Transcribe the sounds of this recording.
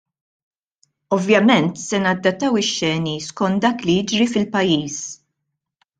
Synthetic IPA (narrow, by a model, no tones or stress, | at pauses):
ɔvjɐmɛnt̪sɛnɐd̪ːɐt̪ːɐwɪʃːɛːniskɔnt̪̚d̪ɐːklijɪd͡ʒɾifɪlpɐjːiːs